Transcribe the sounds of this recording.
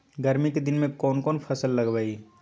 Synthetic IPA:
ɡɐɾmiked̪ɪnmẽkɔːnkɔːnpʰɐsəlːɐɡbaːi

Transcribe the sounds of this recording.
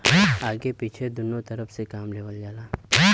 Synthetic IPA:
aːɡepiːt͡ʃʰed̪ʊnot̪ɐɾəfʰsekaːmleːʋəld͡ʒaːlaː

